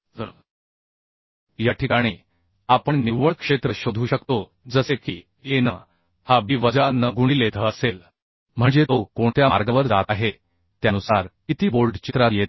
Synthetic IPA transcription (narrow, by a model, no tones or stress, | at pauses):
jaʈʰikaɽ̃iː | apəɳniʋʋəɭkʂet̪ɾəɕod̪ʱuːɕəkt̪o | d͡zəsekiː | jenə | habiʋəd͡zanəɡuɳ̃iːlet̪ʰəəsel | m̤əɳd͡zet̪okoɳt̪jama̰ɾɡəʋəɾd͡zat̪aɦe | t̪janusaɾkit̪iːboɾɖt͡ɕit̪ɾajet̪̚